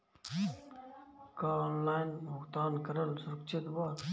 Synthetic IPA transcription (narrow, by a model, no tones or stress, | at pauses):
kaoːnlaːjnmʊkt̪aːnkəɾəlsʊɾk̚t͡ʃʰet̪baːɾ